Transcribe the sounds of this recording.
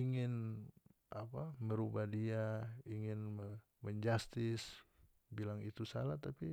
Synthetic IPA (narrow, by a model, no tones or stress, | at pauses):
iŋɪn | ʔapaməɾubahdiaiŋɪn | məɲd͡ʒast̪ɪs | bilaŋit̪usa̰lat̪api